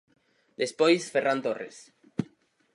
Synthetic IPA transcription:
d̪espojsferant̪orḛs

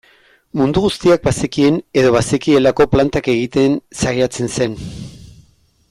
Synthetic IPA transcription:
mund̪uɣust̪iak̚basekie̞ne̞ðo̞βasekie̞lako̞plant̪ake̞ɣ̞it̪e̞nsaɣiat͡se̞nse̞n

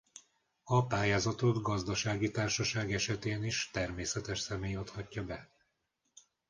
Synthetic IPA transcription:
ɒpaːjaːzɒt̪o̞d̪ɡɒzd̪ɒʃaːɡit̪aːrʃɒʃaːɡɛʃɛt̪eːniʃt̪ɛrmeːsɛt̪ɛʃsɛmeːjot̪hɒcːɒbɛ

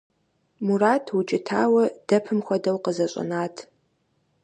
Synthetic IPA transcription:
muraːtʰwʊt͡ʃʼɪtʰa̰ːwɐd̥ɐpʰɨmxʷɔdɐwqəzɐɕʼɐ̰naːtʰ

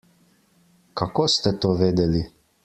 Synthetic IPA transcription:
kakost̪ɛt̪oːʋeːd̪ɛli

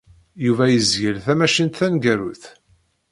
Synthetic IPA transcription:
juvæjəzjəlθæmæʃənt̪θænɡæɾuθ

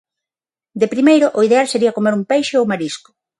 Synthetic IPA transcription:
d̪epɾimejɾʊʔoið̞ealseɾiɐkomeɾumpejʃeowmaɾiskʊ̥

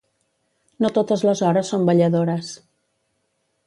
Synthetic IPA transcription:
not̪ot̪əzləzɔɾəsːombəʎəðoɾəs

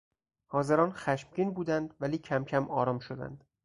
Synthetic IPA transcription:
hɒːze̞ɾɒːnxæʃmɟiːnbuːd̪ænd̪væliːcʰæmcʰæmɒːɾɒːmʃod̪æ̰nd̪̥

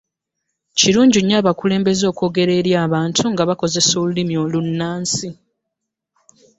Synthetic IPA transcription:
ciɾuːɲɟiɲːaβakule̞ːmbe̞zo̞ːko̞ːɡe̞ɾe̞ɾjaːβaːntʰuŋɡaβako̞ze̞solulimjo̞ːlunːaːnsi

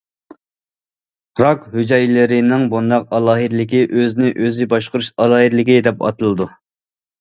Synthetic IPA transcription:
ɾɑkhyd͡ʒɛjlɪɾɪnɪŋbund̪ɑq̚ɑlˠɑːɦɨd̪ɪlɪkʲiʔøzɪnɪʔøzɪbɑʃqʊɾuʃɑlˠɑːɦid̪lɪkʲid̪ɛpɑ̰t̪ɨlˠɨd̪u

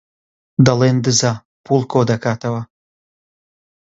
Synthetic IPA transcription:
d̪ɐlend̪ɨza | pulˠkod̪akat̪awa

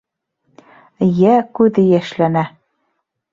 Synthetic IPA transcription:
jækʉðɘjæʃlænæ

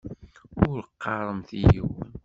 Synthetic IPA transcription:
ʊɾəqːɑɾˤəmθijəwæn

